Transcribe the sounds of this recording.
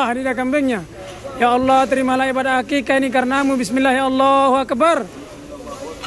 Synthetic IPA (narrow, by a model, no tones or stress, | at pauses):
ɦdidakambɛŋɲa | jaɑlːɑht̪əɾimalaipadaɦakikanikaɾnamubismilːahjaɑlːɑhuakbar